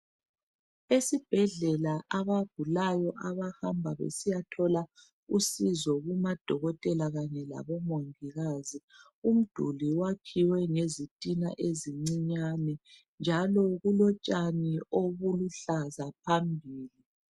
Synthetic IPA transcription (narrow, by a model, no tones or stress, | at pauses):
esib̥ʱɛɮɛlaʔaβab̥̚ʱulajɔʔaβahambʱaβḛsijatʰɔla | usizɔɣumad̥ʱɔɣɔtʼɛlaɣaɲɛla̰βɔmoŋiɣazi | um̩d̥ʱuliwakʰiwɛŋezitʼina̰ʔeziŋ͡ǀiɲanɛ | nd͡ʒʱalɔɣulɔt͡ʃʼanioβuluɬazapʰambʱiːli